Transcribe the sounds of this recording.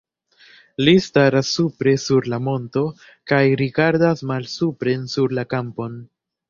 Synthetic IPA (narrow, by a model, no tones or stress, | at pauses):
listaɾasːupɾe̞suɾlamo̞nto̞ | kajɾiɡaɾdasmalsupɾe̞nsuɾlakampo̞n